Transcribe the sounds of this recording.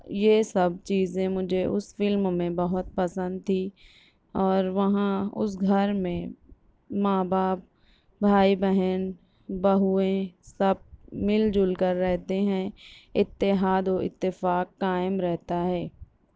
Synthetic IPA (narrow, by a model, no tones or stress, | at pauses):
jesɐb̚t͡ʃiːzẽmʊd͡ʒʱeʔʊsfɪlmmẽbɐɦʊt̪̚pɐsə̃nd̪̚t̪ʰiː | ɔːɾʋɐɦãʊ̰s̬ɡʱɐɾmẽ | mãːbaːp̚ | bʱaːibɛɦən | bɐɦuẽsɐb̚mɪld͡ʒʊlkəɾːɛɦt̪eɦɛ̃ɪt̪ːɪɦaːd̪oːɪ̰t̪ːɪfaːkːaːɪmɾɛɦt̪aɦɛː